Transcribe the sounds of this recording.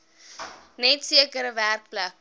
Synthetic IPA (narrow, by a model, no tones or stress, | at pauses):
nɛtsiəkəɾəværk̚plæk̚